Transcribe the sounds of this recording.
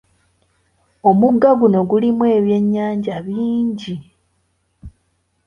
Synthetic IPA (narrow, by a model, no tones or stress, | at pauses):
o̞muɡaɡuno̞ɡulimwe̞ːβje̞ɲːaːɲɟaβiːɲɟi